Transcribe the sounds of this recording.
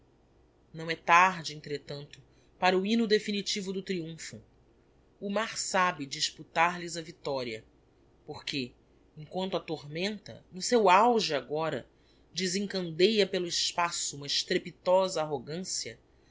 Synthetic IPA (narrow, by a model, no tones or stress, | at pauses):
nɐ̃w̃ɛt̪aɾd͡ʒɪẽnt̪ɾet̪ɐ̃nt̪ʊ̥ | paɾɐuinʊd̪efinit͡ʃivʊd̪ʊt̪ɾiũfʊː | maɾsabɪd͡ʒiʃput̪aɾlɪzɐvit̪ɔɾiɐ | poχke | ẽŋ̃kwɐ̃nt̪ʊat̪oɾmẽnt̪ɐ̰nʊsewawʒɪaɡɔɾɐ̰ | d͡ʒizẽŋkɐ̃nd̪ejɐpelʊɪʃpasʊũmɐɪʃt̪ɾepit̪ɔzɐːɦoɡɐ̃siɐ